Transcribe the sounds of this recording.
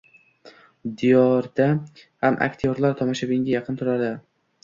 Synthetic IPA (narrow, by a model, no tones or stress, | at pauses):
d̪ɪjɒɾd̪̥ahamʔa̰kʲt̪ʰijɒɾlaɾt̪ʰɒmɒʃabɪŋɡʲajɑqʰɨnt̪ʰʊɾad̪ɪ